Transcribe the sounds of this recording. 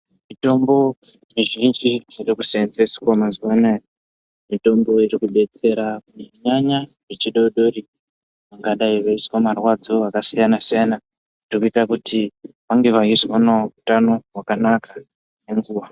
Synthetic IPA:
mito̞mbo̞ | miʒind͡ʒiirikusend͡zesi̥wamazuanajo | mito̞mbo̞irikuɗe̞t͡se̞ɾakuneɲaɲa | rit͡ʃiɗoɗo̞ɾi | aŋɡaɗaiʋaiswamarwad͡zo̞akasijanasijana | nirikuitakutʰi | ʋaŋɡe̞ʋaiswanautano̞ɦwakanakḁ | ne̞ŋɡuːʋa

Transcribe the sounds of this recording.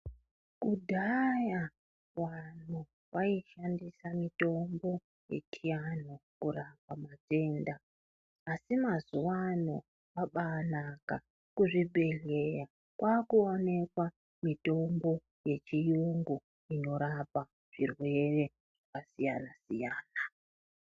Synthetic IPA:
kudʱaja | wan̤u | waiʃandisamito̞mbo̞ | je̞̰kʰijan̤okurapamate̞ːndaː | simazuwano | waɓanaka | kuʐibʱe̞ɮe̞ja | kwʔaːkuone̞kwa | mito̞mbo̞ | je̞t͡ʃijuŋɡu | ino̞ɾapa | ʐ̥irwe̞re̞ | ʐakasijanasijaːna

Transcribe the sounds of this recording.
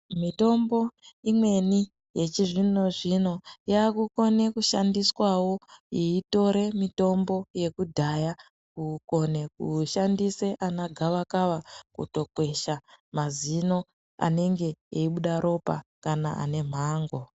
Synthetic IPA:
mito̞mbo̞imwe̞ni | je̞t͡ʃiʐino̞ʐino̞jaːkuko̞ne̞kuʃandiswawo̞jiito̞ɾe̞mito̞mbo̞je̞kudʱaja | kuko̞ne̞kuʃandise̞ʔanaɡʱaʋakaʋakṵto̞kwe̞ʃamazino̞ | a̰ne̞ŋɡe̞eiɓuɗaɾo̞pa̰kana̰a̰ne̞m̤aːŋɡo̞

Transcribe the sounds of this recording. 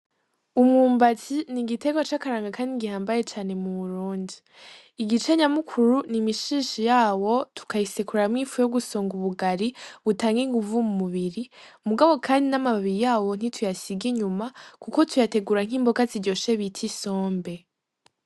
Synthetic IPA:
umŋuːmbatiniɡite̞ɡwat͡ʃakaɾaːŋɡakʰaːndiɡihaːmbaje̞t͡ʃaːne̞muβuɾuːndiː | ɡit͡ʃe̞ɲamukʰuɾunimiʃiːʃijaːwo̞tʰu̥kajisekuɾamŋiːfujoɡusoːŋɡuβuɡaɾiβutaːŋɡiŋɡuvumumuβiɾi | muɡaβo̞kʰaːndinamaβiɾijaːwo̞n̥itʰujasiɡiɲumakukotʰujate̞ɡuɾaŋ̥iːmbo̞kaziɟo̞ʃe̞βitʰiso̞ːmbe̞

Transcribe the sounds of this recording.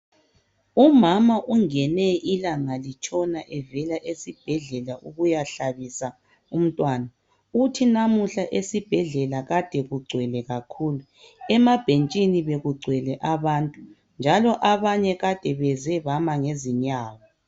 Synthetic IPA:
umamaʔuŋɛnɛilaŋalit͡ʃʼɔnaʔɛvɛlaʔesib̥ʱɛɮɛlaʔuɣujaɬaβisa | um̩tʼwaːna | utʰinamuɬaʔesib̥ʱɛɮɛlaɣad̥ʱɛɣuɡ͡ǀʱwɛlɛɣakʰuːlu | ɛmab̥ʱent͡ʃʼiniβeɣuɡ͡ǀʱwɛlɛʔaβaːntʼu | nd͡ʒʱalɔʔaβaɲɛɣad̥ʱɛβɛzɛβamaŋeziɲaːɣɔ

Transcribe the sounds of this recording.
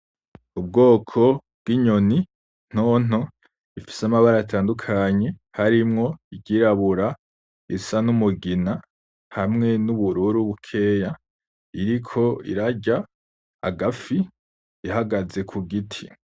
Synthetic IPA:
ubɡo̞ːkʰo̞ | b̥̚ɡiɲo̞ni | n̥oːn̥o̞ | ifi̥samaβaɾajatʰaːndukʰaːɲe̞haɾimŋo̞iɟɟiɾaβuɾa | isanumuɡina | hamŋe̞nuβuɾuːɾuβukʰe̞ja | iɾikʰo̞ḭɾaɟa̰ː | ɡafi | iɦaɡaze̞kʰuɡitʰi

